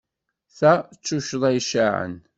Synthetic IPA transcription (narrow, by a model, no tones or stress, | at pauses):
θæt͡sːuʃðˤæjʃaʕə̰n